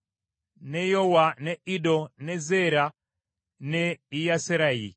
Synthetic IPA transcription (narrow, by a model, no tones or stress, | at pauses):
nɛjɔwanɛiɗɔnɛzɛɾa | nɛijasɛɾaḭ